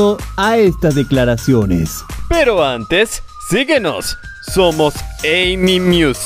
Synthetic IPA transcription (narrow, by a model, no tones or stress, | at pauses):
oaest̪azðeklaɾasjo̞nḛspeɾo̞ant̪esː | iɣeno̞̰sː | omosejmimjus